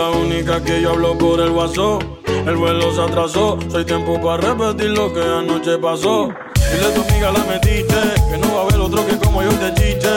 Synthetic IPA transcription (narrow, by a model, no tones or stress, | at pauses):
aunikakeʝoaβlopoɾelβaso | elβelos̬at̪ɾasosojt̪jempoparepet̪iɾlokeanot͡ʃepaso | silet̪omiɣalamed̪it͡ʃekenoβaβeɾlot̪ɾokekomojojd̪et͡ʃit͡ʃe